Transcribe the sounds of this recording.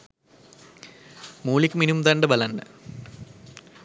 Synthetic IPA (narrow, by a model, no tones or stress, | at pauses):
muːɭikʲːminumt̪ɐɳɖɨbɐlɐɳɖɨ